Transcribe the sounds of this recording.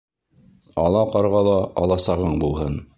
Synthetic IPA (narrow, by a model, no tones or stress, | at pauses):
ɑlˠɑqɑɾʁɑlˠɑɑlˠɑsɑʁɤɴbulˠɦɤn